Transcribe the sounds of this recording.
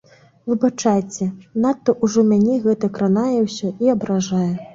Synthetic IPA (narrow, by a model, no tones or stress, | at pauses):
vɨbat͡ʂajt͡sʲɛnat̪ːɐʔuʐɔmʲanʲɛɣɛt̪ɐkɾanajɛwsʲɔiɐbɾaʐajɛ